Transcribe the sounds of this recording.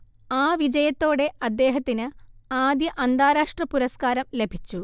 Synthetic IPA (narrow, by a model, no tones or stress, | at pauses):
aːʋid͡ʑɐjɐt̪ːo̞ːɽe̞ɐd̪ːe̞ːɦɐt̪ːinɨaːd̪jɐʔɐnd̪aːɾaːʂʈrɐpuɾɐskaːɾɐmle̞bʱit͡ɕːu